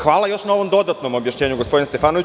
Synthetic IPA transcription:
xʋaːlˠajo̞ʃnaoʋo̞md̪o̞d̪at̪nomobjaʃɲeːɲuɡospo̞d̪inest̪efaːnoʋi

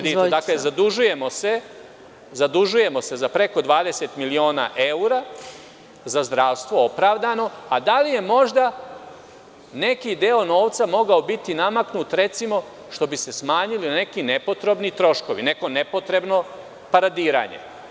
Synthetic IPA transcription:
id̪aklezad̪uʒuje̞mose | zad̪uʒuje̞mo̞se̞zapɾe̞ko̞d̪ʋaːd̪e̞set̪milio̞ːna̰ʔeuɾa | zazd̪ɾaːʋst̪ʋo̞opɾaːʋd̪ano̞ad̪alije̞mo̞ʒd̪a | ne̞kid̪eo̞no̞ːʋt̪samo̞ɡaobit̪inamaknut̪ɾe̞t̪simo̞ | ʃt̪o̞bise̞smaːɲiline̞kinepo̞t̪ɾo̞bnit̪ɾo̞ʃko̞ʋḭne̞ko̞nepo̞t̪ɾe̞bno̞ | paɾad̪iːɾa̰ːɲe̞̰

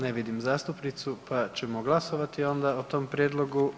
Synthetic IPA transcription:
neʋid̪imzaːst̪upnit̪supat͡ʃɛmoɡlˠasoʋat̪io̞nd̪aot̪o̞ːmpɾʲjed̪lˠo̞ɡu

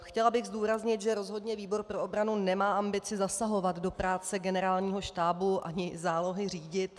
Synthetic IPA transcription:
xcɛlabɪɣzduːɾazɲɪt̪ʒɛɾo̞zɦo̞dɲɛviːbo̞ɾpɾo̞ʔobɾanunɛmaːʔambɪt͡sɪzasaɦo̞vat̪do̞pɾaːt͡sɛɡɛnɛɾaːlɲiːɦo̞ʃt̪aːbuʔʔa̰ɲɪzaːlo̞ɦɪr̝iːɟɪt̪

